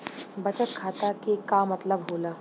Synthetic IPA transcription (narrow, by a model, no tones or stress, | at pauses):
bɐt͡ʃəkkʰaːt̪akekamɐt̪ləbɦoːlaː